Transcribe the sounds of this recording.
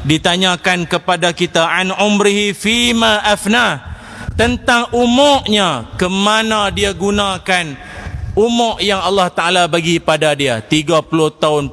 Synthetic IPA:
dit̪aɲãkankəpadakit̪aʔanʕʊmɾiɦifimãʔafnah | t̪ənt̪aŋumɔʔɲakəmanãdiaɡunãkan | umɔʔjaŋalːaht̪aʔalabaɡipadadiat̪iɡapulʊht̪aʊn

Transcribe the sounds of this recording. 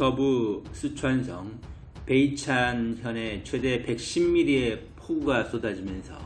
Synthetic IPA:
kʌbus͈ɯt͡ɕʰwansʰʌŋ | pe̞it͡ɕʰançjʌne̞t͡ɕʰwe̞de̞pe̞k̚ɕ͈imːiɾie̞pʰoɡuɡas͈odad͡ʑimjʌnsʰʌ̰

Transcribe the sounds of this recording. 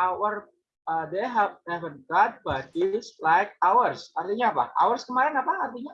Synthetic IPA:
ʔawər | ədeɦɛvnɛvənɡat̪̚bad̚dislajk̚awərsart̪iɲaːpa̰a̰wərskəmaɾɪnapaːrt̪iɲa

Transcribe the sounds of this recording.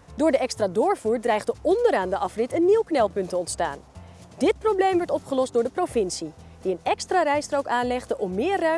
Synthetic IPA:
dʊːɹdəɛkstraːdʊːɹvuːɹdrɛjχdəɔndəɾaːndəʔɑfrɪtənːiwknɛlˠpɵntəɔntsta̰ːn | d̥ɪt̚problejmʋɔɹtɔpχəlɔsdʊːɹdəprovɪnsi | diənɛkstraːrɛjstrowkaːnlɛχdəʔɔmːɪːrœ

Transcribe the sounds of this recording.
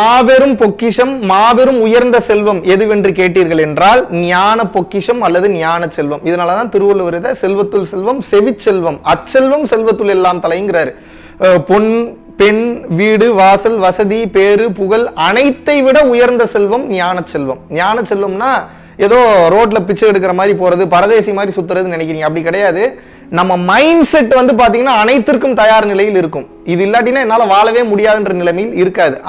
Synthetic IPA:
maːbɛɾɯmpɔkːɪʂɐmːaːbɛɾɯmʊjɐɾnd̪ɐsɛlʋɐmɛðɯʋɛndrɯkeːʈːiːɾɣɐɭɛndraːlnɪjaːnɐpːɔkːɪʂɐmɐlːɐðɯnɪjaːnɐt͡ʃːɛlʋɐmɪðɐnaːlɐt̪ãːnt̪ɪɾɯʋɐlɯʋɐɾɯðɐsɛlʋɐt̪ːɯlsɛlʋɐmsɛʋɪt͡ʃːɛlʋɐmɐt͡ʃːɛlʋɐmsɛlʋɐt̪ːɯlɛlːaːmt̪ɐlɐjɯŋɡɪrɐːɾɯ | pɔɳ | pɛɳʋiːɽɯʋaːsɐlʋɐsɐðipeːɾɯpʊɣɐlɐnɐɪt̪ːɐɪʋɪɽɐʊjɐɾnd̪ɐsɛlʋɐmɲaːnɐsɛlʋɐmɲaːnɐsɛlʋɐmnaː | eːðoːɾoːʈ̬lɐpɪt͡ʃːɐɛɽɯk̬ːɪɾɐmaːðɾipoːɾɐðɯpɐɾɐðeːsijɐmaːd̪ɾisʊt̪ːɯɾɐðɯnɪnɐɪkːɪɾiːŋɡɐpːɐɽikːɪɽɐjaːðɯ | nɐmːɐmɐɪnɖsɛʈːʋɐnd̪ɯp̬aːɾt̪̬iːŋɐnːaːɐnɐɪt̪ːɪrkːɯmt̪ɐjaːɾnɪlɐjɪlɪɾɯkːɯm | ɪðɯɪlːaːʈ̬ːɪnːaːɛnːaːlɐʋaːlɐʋeːmʊɽɪjaːðɯndrɐnɪlɐɪmɐjɪlɪɾɯkːaːðɯ

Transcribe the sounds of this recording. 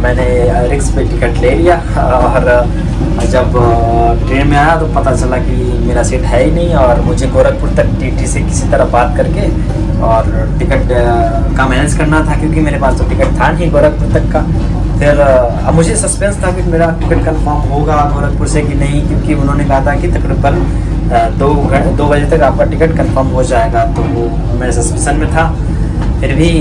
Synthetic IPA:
mɛ̃ːne | ɾɪkspeʈɪkəʈleːlija | ɔːɾ | d͡ʒɐbʈɾeːnmẽaːjat̪opɐt̪at͡ʃɐlaki | meːɾasiːʈɦɛːinɐɦĩɔːɾmʊd͡ʒʱeɡoːɾək̚pʊɾt̪ɐk̚ʈiːʈisekɪ̥sit̪ɐɾəbaːt̪kɐɾke | ɔːɾ | ʈɪkəʈ | kamɛːneskɐɾnat̪ʰakjõːk̬imeːɾepaːst̪oʈɪkəʈ̚t̪ʰanɐɦĩɡoːɾək̚pʊɾt̪ɐkːa | pʰɪɾ | ɐbmʊd͡ʒʱesɐspɛ̃nst̪ʰakɪkmeːɾaʈɪkəʈkɐ̃nfəɾmɦoɡaɡoːɾək̚pʊɾsebʱinɐɦĩkjõːkiʊnɦõːnekɐɦat̪ʰaɦɛkit̪ɐkɾiːbən | d̪oːɡʱɐd̪oːbɐd͡ʒet̪ɐkaːp̚kaʈɪkəʈkɐ̃nfəɾmɦod͡ʒaːeːɡat̪oo | meːɾesɐspɛ̃sənmẽt̪ʰaː | pʰɪɾbʱi

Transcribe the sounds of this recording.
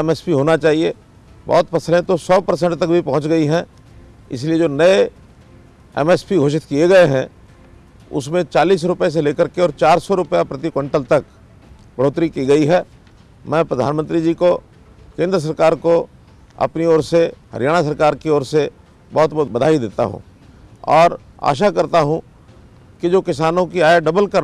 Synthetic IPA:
ɛmɛspiɦoːnat͡ʃaːɦie | bɔ̰ːt̪pɐsəlẽt̪osɔːpɐɾsɛ̃ɳʈt̪ɐk̚bʱipɐɦʊ̃t͡ʃɡɐiɦɛ̃ | ɪ̰s̬lied͡ʒoːnɐe | ɛ̰mɛspiɡʱoːʃɪt̪kieɡɐeɦɛ̃ | ʊ̰smẽt͡ʃaːliːs̬ɾʊpəes̬eleːkəɾkeɔːɾt͡ʃaːɾsɔɾʊpəjapɾɐt̪ikwə̃ɳʈəlt̪ɐk | bɐɽ̤oːt̪ɾikiɡɐiɦɛː | mɛ̃ːpɾəd̪ʱa̰ːnmə̃nt̪ɾid͡ʒiːko | kẽːnd̪ɾəs̬ɐɾkaːɾko | ɐ̰pniɔːɾsehɐ̰ɾjaːɽ̃as̬ɐɾkaːɾkeɔːɾse | bɔɦt̪̚bɔt̪bɐd̪ʱaːid̪eːt̪a̰ɦṵ̃ | ɔ̰ːɾ | a̰ːʃ̬akɐɾt̪aɦũ | kid͡ʒoːkɪs̬aːnõkiaːjeɖɐbəlkɐɾ

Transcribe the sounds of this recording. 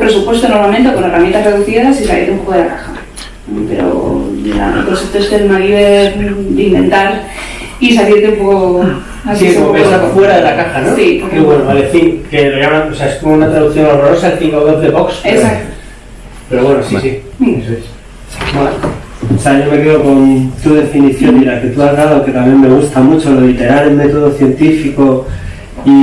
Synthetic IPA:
pɾe̞supwest̪onoɾmament̪ekoneramj̃nt̪asre̞ðuθiðasisalḭɾt̪eumpokoðakaxa̰ | peɾo̰la̰no̰t̪ɾoset̪oest̪enoiβedimbẽ̞̰nt̪aɾ | is̬aliɾt̪̬eumpoko | as̬isokeoofwe̞ɾaðelakaxanosipoɾeβwenoβalefiŋkeloʝamaŋoseaeskomounat̪ɾaðukθjonalreɾosaelfiŋkoðoɾðeβoksesakt̪o̥ | pe̞ɾo̞βwe̞nosisi | iesoes | asaʝome̞keðoko̞nt̪uðe̞finiθjonilake̞t̪uazɣaðoke̞t̪amje̞nːme̞ɣ̞ust̪amut͡ʃo̞lolit̪e̞ɾaɾjeme̞t̪oð̞o̞θje̞nt̪ifiko̞ | i

